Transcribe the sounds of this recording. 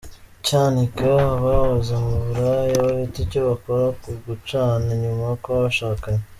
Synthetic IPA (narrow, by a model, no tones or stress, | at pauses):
caːnikaβaβazamuβuɾajaβaβiticoβako̞ɾakuɡut͡ʃaːneɲumajakoβaʃaːkaɲe